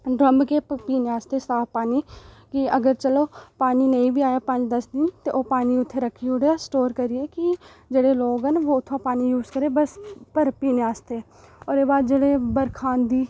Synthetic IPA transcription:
ɖɾəmbkeːpiːneaːst̪eːsaːfpaːniːkɪəɡəɾt͡ʃəloːpaːniːnəĩːbiːaːjaːpəɲd͡ʒd̪əsd̪ɪnt̪eːʔoːpaːniːʊt̪ʰːeːɾəkʰːiːoɽeaːsʈoːɾkəɾɪeːkɪ | d͡ʒeːɽeːloːɡɦənʋoːʊt̪ʰːãːpaːniːjuːzkəɾeːbəspəɾpiːneaːst̪eː | ɔːɾeːbaːd̪d͡ʒeːɽeːbəɾkʰaːnd̪iː

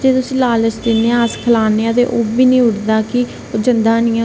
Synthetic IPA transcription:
d͡ʒeːt̪ʊsĩːlaːlət͡ʃd̪ɪnːeːãskʰəlaːneːãːt̪ḛːʔoːbiːnĩːʊɽd̪aːkɪ | d͡ʒənd̪aːnĩːã

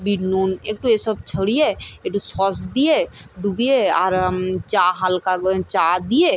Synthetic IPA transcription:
binunek̚ʈũesəb̚t͡ʃʰəɽijeek̚ʈusɔsd̪ije | ɖubijeaɾt͡ʃaɦalkat͡ʃad̪ije

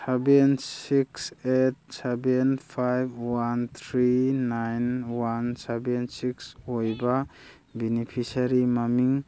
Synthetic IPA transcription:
sebensikset̚sebenpʰajbwant̪ʰɾiːajnwansebensiksojba | binipʰisaɾimamiŋ

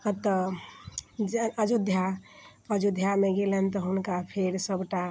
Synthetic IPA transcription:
ət̪ːə | əd͡ʒud̪ʱja | əd͡ʒud̪ʱjameɡelent̪ɔɦunkapʰeɾsəbʱʈa

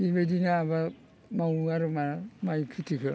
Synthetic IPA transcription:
ibedinaːba | mawaɾɯmamajkʰitʰikʰɯ

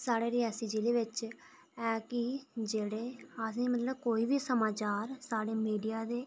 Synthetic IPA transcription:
saːɽeːɾɪɛːsiːd͡ʒiːleːʋɪt͡ʃ | ɛːkɪd͡ʒeːɽeːəsĩːmət̪ləbkoːiːʋiːsəmaːt͡ʃaːɾsaːɽeːmiːɖijaːd̪eː

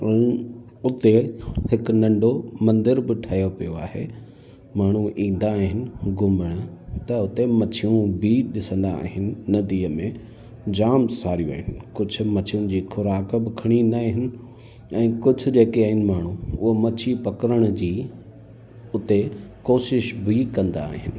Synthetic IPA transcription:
ʊt̪ehɪknɐ̃ɳɖomɐ̃nd̪ɪɾbɪʈʰaːjopijoa̰ːɦḛ | maːɳ̤ũʔĩːn̆d̪aːɦɪnɪ̆ɡʱʊməɽ̃ʊt̪ɐʊt̪emɐt͡ɕʰijũbʱiɗɪsə̃nd̪a̰ːɦɪnɪ̆ːɐd̪iːəmẽ | d͡ʑaːmsaːɾijũa̰ːɦɪnɪ̆kʊd͡ʑʱʊ̆mɐt͡ɕʰijũd͡ʑiːxʰʊɾaːkbɪkʰɐɽ̃ĩːnd̪aːɦɪnɪ̆ | ɛ̃ːkʊd͡ʑʱʊ̆d͡ʑeːkeaːɦɪnɪ̆maːɳ̤ũʊɦomɐt͡ɕʰipɐkəɾəɽ̃d͡ʑiː | ʊt̪ekoːʃɪʃbʱikɐ̃nd̪a̰ːɦɪnɪ̆

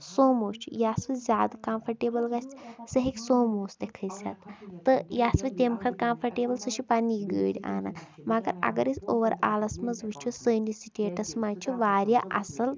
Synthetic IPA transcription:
soːmoːt͡ʃʰṵjaːsʋɨzʲaːd̪kaːmpʰɐɾʈeːbɐlɡɐsʲt͡sʰsɐɦikʲsoːmoːst̪ekʰɐsʲɐ̰t̪ːɨjaːsʋɨt̪ʲemkʰɐt̪̚kaːmpʰɐɾʈeːbɐlsɨt͡ʃʰipɐniɡə̰ːɽʲia̰ːnamɐɡɐɾɐ̰ɡɐɾisʲoːʋɐɾaːlɐsmɐzʋit͡ʃʰusəːnisiʈʲeːʈɐsmaːt͡ʃʰuʋaːɾʲjaːʔɐ̰sɐl

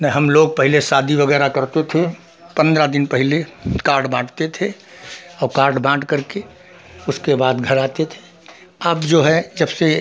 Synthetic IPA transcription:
nɛɦəmloːɡ̚pəɦɪlesaːd̪ʱiʋəɡɛːɾakəɾt̪et̪ʰe | pə̃nd̪ɾad̪ɪnpəɦɪlekaːʈbãːʈt̪et̪ʰe | ɔːɾkaːɾʈbãːʈkəɾke | ʊskebaːd̪ɡʱəɾaːt̪et̪ʰe̥ | əːbd͡ʒoːɦɛd͡ʒəbse

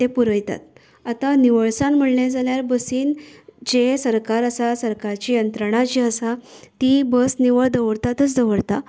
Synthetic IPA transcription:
t̪epuɾəjt̪a̰t̪̚ | at̪aniʋəɭsamm̤əɽled͡zaljaɾbəsiːnd͡ʑesəɾkaɾəsasəɾkaɾt͡ɕiːjənt̪ɾəɽ̃ad͡ʑiəsat̪ibəsniʋəɭd̪əʋəɽt̪at̪ət͡sd̪əʋəɽt̪a

